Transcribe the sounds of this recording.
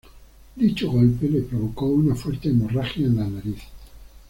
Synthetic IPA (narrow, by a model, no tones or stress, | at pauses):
d̪it͡ʃoɣolpelepɾoβokounafwɛɾt̪emoraxjaenlanaɾiθ